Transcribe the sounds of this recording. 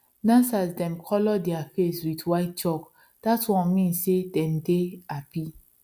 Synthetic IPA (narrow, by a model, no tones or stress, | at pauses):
nãnsasdɛ̃mkʰɔlɔdɛafeswitwaɪt̚t͡ʃɔk | d̥atwɔ̃nmĩnsːedɛ̃ndeapi